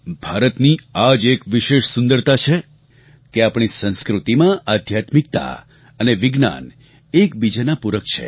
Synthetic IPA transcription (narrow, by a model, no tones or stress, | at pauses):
bʱaɾət̪niad͡ʒekʋɪʃeʃsʊnd̪əɾt̪at͡ʃʰe | keapɽ̃isə̃ñskɾut̪imãʔad̪ʱjat̪mik̚t̪a̰ | əneʋɪɡna̰n | ekbid͡ʒanapuɾəkt͡ʃʰḛ